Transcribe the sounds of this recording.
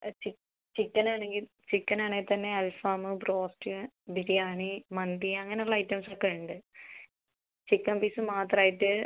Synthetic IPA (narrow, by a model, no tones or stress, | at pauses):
t͡ɕi | t͡ɕikːɐnaːɳe̞ŋɡil | t͡ɕikːɐnaːɳeilt̪ɐnːe̞ɐlfaːmɨbro̞ːsʈɨ | biɾijaːɳimɐnd̪iɐŋːɐne̞oɭːɐɐjtːɐmsokːeɳɖɨ | t͡ɕikːɐnpiːsɨmaːt̪raːjiʈːɨ